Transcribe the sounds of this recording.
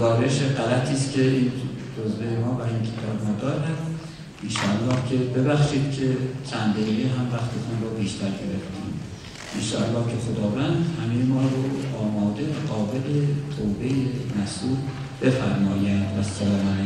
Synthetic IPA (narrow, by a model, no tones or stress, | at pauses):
zɒːɾeʃeɢælæt̪ʰiːscʲʰe̞iːnd͡ʒozvejemɒːvæincʰet̪ʰɒːbmɒːd̪ɒːɾæm | ʔinʃɒːælːɒːhcʰe̞be̞bæχʃiːd̪̥̚cʲʰe̞t͡ʃʰænd̪eɣeɦæmvæxt̪ʰet̪ʰunrobiːʃt̪ʰæɾɟe̞ɾeft̪ḭːm | ʔinʃɒːʔælːɒːhcʰexod̪ɒːvænd̪hæmejemɒːɾoɒːmɒːd̪evæɢɒːbe̞let̪ʰoːbe̞jemæsuːl | b̥e̞fæɾmɒːjænd̪væsːælɒːmæn